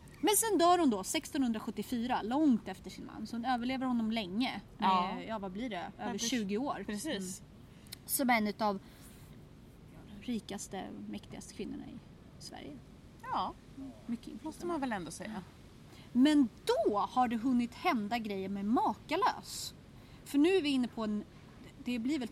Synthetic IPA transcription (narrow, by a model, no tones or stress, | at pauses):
mɛnsɛnd̪œːɾhʊnd̪ɔsɛkst̪ɔnhɵnd̪ɾaɧɵt̪ːɪfyːɾalɔŋt̪ɛft̪əʂɪnma̰nːsɔhʊnøːvəɭeːvəɾhɔnːɔmlɛŋːəmɛjɑːvablɪɖɛøːvəɾʂʃʉ̟ːɡɪoːɾpɛsiː | sɔmɛnːʉ̟t̪av | ɾiːkast̪ə̰mɛkt̪ɪɡast̪ə̥kʰvɪnːʊɳa̰ɪ̰ | svæ̰ɾjə | ɑ | mʏk̪ːɔst̪əmanvɛlɛnd̪oːsɛja | mɛnd̪ɔhaɖɛɦɵnːɪt̪hɛnd̪aɡɾɛjːəɾmɛmɑːkalø̰ːs | fœɳʉ̟ːæɾvɪɪnːəpʰɔɛn | d̪ɛblɪɾvɛl